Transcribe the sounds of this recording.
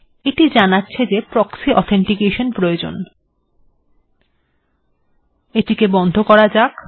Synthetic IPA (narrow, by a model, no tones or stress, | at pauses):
eʈid͡ʑanatːɕʰed͡ʑepɾɔksiʔɔt̪ʰeɳʈikeʃonpɾojod͡ʑo̰n | eʈikebɔnd̪ʱokɔɾad͡ʑak